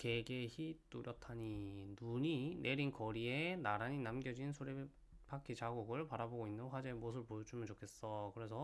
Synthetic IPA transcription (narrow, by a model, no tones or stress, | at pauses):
ke̞ɡe̞çit͈uɾjʌtʰaɲinuɲinʔe̞ɾinkʌɾie̞naɾaɲinamɡjʌd͡ʑinsʰuɾe | pʰakʰit͡ɕaɡuɡɯɭpaɾaboɡoinːɯnɸwad͡ʑemos̬ʰɯɭpojʌd͡ʑʰumɯnt͡ɕokʰe̞s͈ʌkɯɾe̞sʰʌ